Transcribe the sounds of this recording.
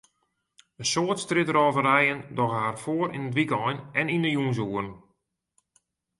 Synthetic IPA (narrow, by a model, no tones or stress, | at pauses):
ənsoətstrɪtəɾɔːvərɛjəndɔxɦaːrfoːəɾḭnədʋikɔjnɛnindəjunz̬uːərn